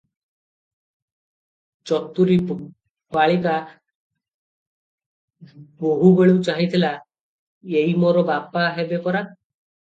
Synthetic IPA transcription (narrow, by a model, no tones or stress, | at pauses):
t͡ʃɔt̪ːuɾi | baɭika | boɦubeɭeut͡ʃaɦit̪ʰila | eimoɾɔbapaɦebepɔɾa